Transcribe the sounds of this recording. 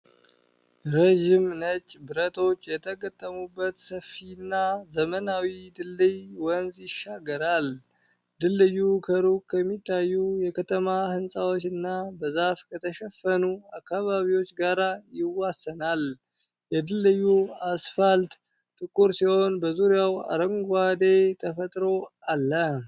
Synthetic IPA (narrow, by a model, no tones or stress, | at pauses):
ɾəʒimnət͡ʃʼːbɨɾət̪ʰo̞t͡ʃːjɛt̪ʰəɡət̪ʼːəmubːət̪səfːinːazəmənawid̪ɨlːɨjwɔnzjɪʃaɡəɾal | d̪ɨlːɨjːukʰəɾukʰːəmːit̪ʼːajːujɛkʰət̪ʰəmahɨnsʼawo̞t͡ʃːɨnːabəzafkʰət̪ʰəʃɛfːənuakːaβaβiwo̞t͡ʃːɡaɾajɪwasːənal | jɛd̪ɨlːɨjːuasfalt̪ | t̪ʼɨkʼːuɾsiho̞nbəzuɾjawa̰ɾəŋɡad̪et̪ʰəfət̪ʼɾo̞alːə